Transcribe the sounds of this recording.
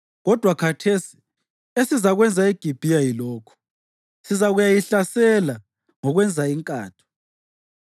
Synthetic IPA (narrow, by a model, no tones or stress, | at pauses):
ɣɔd̥ʱwakʰatʰesi̥ | esizaɣwɛnd͡zʱaeɡ̥ʱib̥ʱijajilɔːkʰɔ̥ | sizaɣujajiɬasɛla | ŋɔɣwɛnd͡zʱaiŋkʼa̰ːtʰɔ̥